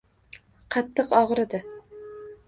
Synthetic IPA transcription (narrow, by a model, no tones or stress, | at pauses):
qʰɑt̪ʰːɨqɒʁɾɪd̪ɪ